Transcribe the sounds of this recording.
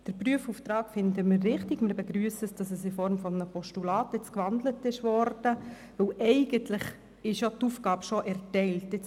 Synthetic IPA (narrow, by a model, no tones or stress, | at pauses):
d̥əɾpryəfuft̪ɾɑːkfɪndəmɪrːɪχtɪɡmɪɾbɛɡɾyːəsəsd̥ɑsəsɪfɔɾmfɔmənəpɔʃtulɑːtɪt͡skʋɑnd̪lətɪʃvɔɾd̥ə | ʋɵwʔɛɪɡəntlɪχ | ɪʃjotuːfɡ̥ɑːbʃɔʔɛɾtɛɪltːɪt͡s